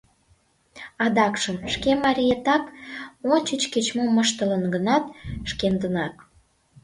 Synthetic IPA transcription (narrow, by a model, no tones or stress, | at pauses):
ɑd̪ɑkʃəmʃkemɑɾʲijet̪ɑkonʲt͡ɕət͡ɕket͡ɕmomːəʃt̪ə̆lənɡənɑt̪ʃkend̪ənɑk